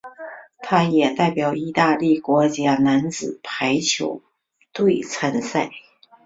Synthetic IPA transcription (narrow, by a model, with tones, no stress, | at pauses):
t̪ʰa˥jɛ˨˩t̪a˥˩ɪpjɑ˨˩ʊi˥t̪a˥˧li˥˩kwɔ˧˥t͡ɕja˥˩na˧˥nt͡sɹ̩˨˩pʰa˧˥ɪt͡ɕʰjo˧˥ʊ | t̪we˥˩ɪt͡sʰa˧˥nsa˥˩ɪ